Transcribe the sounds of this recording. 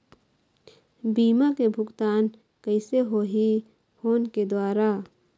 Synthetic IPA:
biːmakebʱʊɡt̪aːn | kəɪseɦoɦi | hoːnked̪waːɾa

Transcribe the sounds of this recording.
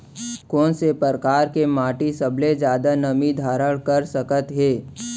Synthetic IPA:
kɔːnsepəɾkaːɾkemaːʈisəbʱled͡ʒjaːd̪anəmid̪ʱaːɾəɭkəɾsəkət̪ɦeː

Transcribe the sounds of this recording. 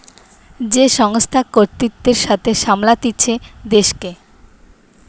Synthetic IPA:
d͡ʑeʃɔŋst̪ʰakoɾt̪it̪ːeɾʃat̪ʰeʃamlat̪iːɕʰed̪eʃke

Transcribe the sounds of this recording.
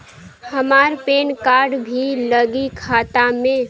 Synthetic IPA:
həmaːɾpeːnkaːɾɖbʱiləɡikʰaːt̪amẽ

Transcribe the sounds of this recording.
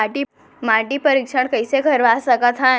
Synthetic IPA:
aʈi | maʈipəɾikʂəɳkəjsekʰəɾʋasəkət̪ʰɦã

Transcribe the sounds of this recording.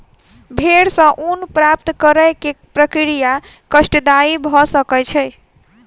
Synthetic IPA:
bʱeɽsə̃ʔunpɾapt̪kəɾəkepɾəkɾijakəsʈəd̪aɾibʱɔsəkət͡ʃʰɛj

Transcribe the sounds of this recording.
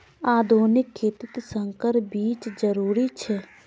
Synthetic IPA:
aːd̪ʱoːnɪkʰːeːt̪ɪt̪sə̃ŋkəɾbiːt͡ʃd͡ʒəɾuːɾit͡ʃʰɛ

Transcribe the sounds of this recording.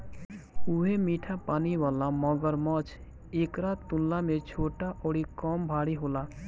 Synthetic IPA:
uɦemiːʈʰapaːniwaːlamɔɡəɾmɔt͡ʃ | eːkɾat̪t̪ʊllamet͡ʃʰoːʈaʔɔɽikɔːmbʱaːɽiɦoːla

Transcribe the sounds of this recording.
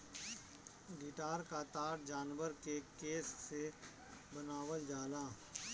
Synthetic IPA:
ɡɪʈaːɾkat̪aːɾd͡ʒaːnʋəɾkekeːsːe | bənaːwəld͡ʒaːlaː

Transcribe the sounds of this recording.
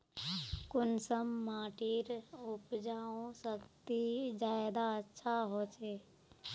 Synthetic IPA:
kʊnsəmːaːʈiːɾʊpd͡ʒaːõsəkt̪id͡ʒaːɪd̪aətːʃʰaɦoːt͡ʃeː

